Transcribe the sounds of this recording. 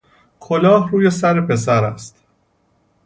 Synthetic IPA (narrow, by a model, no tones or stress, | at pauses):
kʰo̞lɒːhɾuːje̞sæɾe̞pʰe̞s̬æɾæst̪